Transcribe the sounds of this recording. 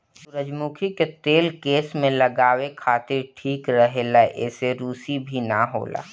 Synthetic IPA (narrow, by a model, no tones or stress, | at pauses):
sʊɾəd͡ʒmuːkʰiket̪eːlkeːsmẽlɐɡaːwekʰaːt̪ɪɾʈʰiːkɾəɦelaʔɛːseɾuːsibʱinaɦo̰ːla̰ː